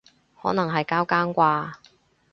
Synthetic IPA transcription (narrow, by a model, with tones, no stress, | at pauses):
hɔː˨˥nɐ˨˩ŋɦɐ˨jkaː˥wkaː˥nkʷaː˧